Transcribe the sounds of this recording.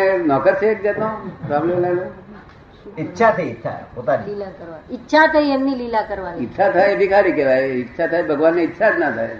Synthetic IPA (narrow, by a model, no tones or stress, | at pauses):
enɔkəɾsek̚d͡ʒet̪õpɾablemlalo | ɪtːʃʰat̪ʰəiɪtːʃʰa̰pot̪aniilakəɾʋanɪtːʃʰat̪ʰəiemniliːlakəɾʋanɪtːʃʰat̪ʰaeəd̪ʱikaɾikeʋaeɪtːʃʰat̪ʰaebʱəɡʋanːeɪtːʃʰad͡ʒnat̪ʰae